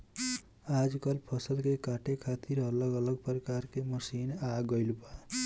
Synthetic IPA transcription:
ad͡ʒkəlpʰʌsəlkekaʈekʰat̪iɾʌləɡələɡ̚pɾəkaɾkeməsinaɡʌjlba

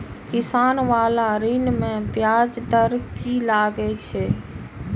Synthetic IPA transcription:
kɪsaːnʋaːlaɾiːnmẽpjaːd͡ʒd̪əɾkilaːɡɛt͡ʃʰeː

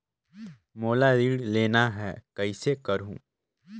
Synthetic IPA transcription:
moːlaɾiːɽleːnaɦɛːkɐɪsekɐɾũː

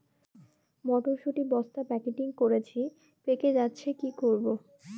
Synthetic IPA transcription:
mɔʈ̪oʃuʈibɔst̪apɛkeʈiŋkoɾet͡ɕʰi | peked͡ʑatːɕʰekikoɾbo

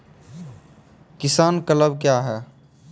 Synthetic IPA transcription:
kɪsaːnkələb̚kjaɦɛː

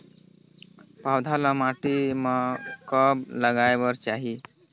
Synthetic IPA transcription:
pawd̪ʱalamaʈimakəbləɡajʋəɾt͡ɕaɦi

